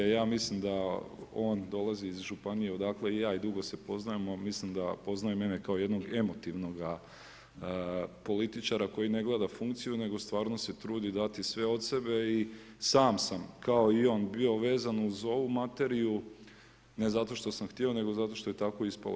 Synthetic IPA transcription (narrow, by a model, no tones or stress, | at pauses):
jaːmislimd̪ao̞ːnd̪o̞lˠaziːzʒupanije̞od̪akle̞ijaːid̪uɡo̞se̞po̞znajemomislimd̪apo̞znajeme̞nekaoje̞d̪no̞ɡe̞mo̞t̪iʋno̞ɡa | po̞lit̪it͡ʃaɾako̞jine̞ɡlˠeːd̪afuŋkt̪sijune̞ɡo̞st̪ʋaːɾno̞se̞t̪ɾuːd̪id̪at̪isʋe̞o̞t̪se̞be̞i | saːmsamkao̞io̞ːnbio̞ʋe̞ːzanuzo̞ʋumat̪e̞ɾiju | ne̞zat̪o̞ʃt̪o̞samxt̪io̞ne̞ɡozat̪o̞ʃt̪o̞je̞t̪ako̞ispa̰lo̰